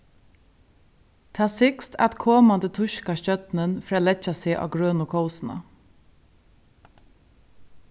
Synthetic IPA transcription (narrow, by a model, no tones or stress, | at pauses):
t̪ʰaːsɪkst̪ʰa̰t̪kʰoːmand̪ət̪ʰʊʃkaɕœt̪nənfɾaːlɛcasɪʔa̰ːɡɾøːnʊkʰɔʊsna̰